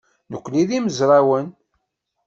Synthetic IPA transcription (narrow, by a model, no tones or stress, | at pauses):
nəkʷːliðiməzɾˤawən